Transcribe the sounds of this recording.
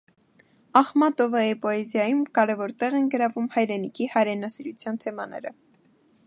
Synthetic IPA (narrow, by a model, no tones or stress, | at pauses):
ɑχmɑt̪ɔvəipɔɛzjɑjumkɑɾɛvɔɾt̪ɛʁɛnɡəɾɑvumhɑjɾɛnikʰihɑjɾɛnɑsiɾut͡sʰjɑnt̪ʰɛmɑnɛ̰ɾə